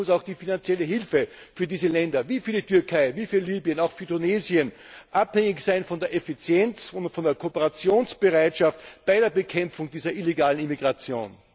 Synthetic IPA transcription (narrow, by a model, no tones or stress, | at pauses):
ʊsaʊxd̥iːfinant͡sjɛləɦɪlfə | fyːɐdiːzəlɛndɐviːfyːɐditʰyɐkʰaɪviːfyːɐliːbjənaʊxfyːɐtʊneːzjən | ʔaphɛŋɪçsaɪnfɔndeːɐʔefit͡sjɛnt͡sʊntfɔndeːɐkʰopəʁat͡sjoːnsb̥əʁaɪtʃaftb̥aɪdeːɐbəkʰɛmp͡fʊŋd̥iːzɐʔileɡaːlənimiɡʁat͡sjo̰ːn